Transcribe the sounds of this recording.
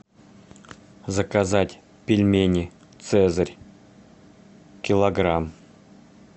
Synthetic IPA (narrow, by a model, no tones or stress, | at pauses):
zəkazatʲ | pʲɪlʲmʲenʲɪ | t̪sɛzərʲ | kʲɪlˠɐɡram